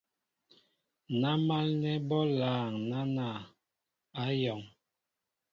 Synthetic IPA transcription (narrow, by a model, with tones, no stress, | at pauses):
na˦ma˦lnɛ˦bɔ˦laː˨ŋna˦na˨ | a˦jɔ˨ŋ